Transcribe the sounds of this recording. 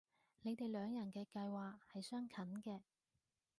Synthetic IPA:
ne˨˧jt̪e˨jlœː˨˧ŋjɐ˨˩nkɛː˧kɐ˧jwaː˨k̚hɐ˨jsœː˥ŋkʰɐ˨˥nkɛː˧

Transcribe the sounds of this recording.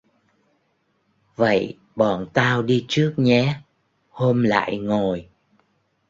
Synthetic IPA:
və̰˧˨j | ɓɔ˧˨˩nt̪aː˧wɗi˧t͡ɕɨ˦˥ək̚ɲɛ˨˦ | ho˧mla̰ː˧˨jŋo˨˩j

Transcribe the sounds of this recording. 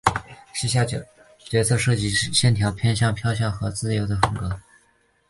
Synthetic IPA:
ɕ̩˥˧ɕ̬ja˥˩˧ | t͡ɕɥɛ˧˥t͡sʰɤ˥˧ʂɤ˥˩t͡ɕi˧˥ɕjɛ˥˩nt̪ʰjɑ˧˥ʊpʰjɛ˥˧nɕ̬jɑ˥˧ŋpʰjɑ˥˧ʊɕ̬jɑ˥˩ŋxɤ˧˥t͡sɹ̩˥˩jo˧˥ʊd̪ə˧xə˧˨˩ŋkɤ˧˥

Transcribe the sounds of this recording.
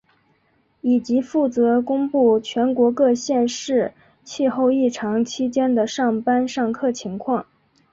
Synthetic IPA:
i˨˩t͡ɕi˧˥fu˥˩t͡sɤ˧˥kʊ˥ŋpu˥˩t͡ɕʰɥɛ˧˥nkwɔ˧˥kɤ˥˧ɕjɛ˥˧nʂɻ̩˥˩ | t͡ɕʰi˥˧xo˥˧ʊi˥˩ʈ͡ʂʰɑ˧˥ŋt͡ɕʰi˥t͡ɕjɛ˥nd̪ə˨ʂɑ˥˩ŋpa˥nʂɑ˥˩˧ŋkʰɤ˥˩t͡ɕʰi˧˥ŋkʰwɑ˥˩ŋ

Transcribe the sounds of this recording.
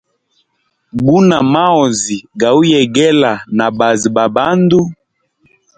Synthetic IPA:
bu˦na˨ma˦ɔ˨zi˨ɡa˨u˦jɛ˨ɡɛ˦la˨na˨ba˨zi˨ba˨ba˦ndu˦

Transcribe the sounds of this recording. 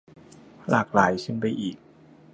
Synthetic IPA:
lʔaː˨˩k̚laː˩˦jsʰɯ˥˩ŋba˧˩jʔiː˨˩k̚

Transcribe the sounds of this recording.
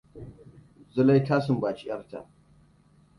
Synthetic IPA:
zʊ˦la˦jtaː˦sɪ˨mbaː˨t͡ʃi˦jɐ̰˦rta̰˨ʔ

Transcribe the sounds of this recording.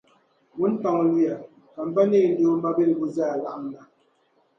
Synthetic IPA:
wu˦n̩˦tɔ˨ŋ˨li˦a˨ | a˨m̩˨ba˦ne˦˨n̩˦do˦m˦ba˦be˦˨lbu˦zaː˦˨la˦ʔŋ˨na˨

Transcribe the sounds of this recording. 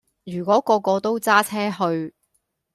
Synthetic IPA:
jyː˨˩kwɔː˨˥kɔː˧kɔː˧t̪o˥wt͡saː˥t͡sʰɛː˥hɵ˧ɥ

